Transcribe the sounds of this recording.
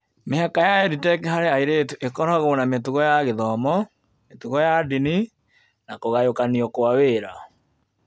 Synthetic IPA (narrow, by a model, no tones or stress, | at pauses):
meɦakajaɛɾitɛkɛɦaɾeaiɾetuʔekɔɾaɣoːnametuɣɔjaɣeðɔmɔ | metuɣɔjadini | nakoɣajokaniɔkoaweːɾa